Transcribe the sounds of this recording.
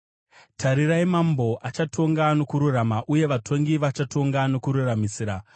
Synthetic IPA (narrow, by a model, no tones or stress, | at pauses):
tʰaɾiɾaimambo̞ʔat͡ʃatʰo̞ŋɡano̞kuɾuramaʔuje̞ʋatʰo̞ŋɡiʋat͡ʃatʰo̞ŋɡano̞kuɾuramisiːɾa